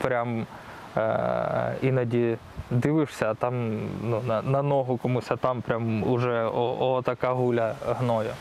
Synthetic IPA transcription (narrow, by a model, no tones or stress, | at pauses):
pɾʲam | inɐdʲi | d̪ɪʋɪʂsʲɐt̪ɑmnunɐnɐnɔɦʊkɔmusʲɐt̪ɑmpɾʲamʊʐɛoɔt̪ɐkaɦulʲɐɦnɔjʊ